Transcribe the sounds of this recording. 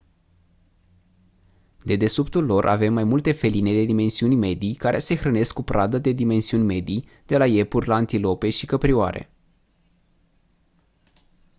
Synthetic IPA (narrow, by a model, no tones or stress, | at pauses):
d̪e̞d̪e̞supt̪ulːo̞rʔa̰ve̞mːajmult̪e̞fe̞line̞d̪e̞d̪ime̞nsiunʲme̞d̪ijkaɾʔe̞se̞xɾəne̞skːupɾʔad̪əd̪e̞d̪ime̞nsiunʲme̞d̪ij | d̪̥e̞laje̞purʲlaːnt̪ilo̞pe̞ʃikəpɾioa̰ɾʔe̞̰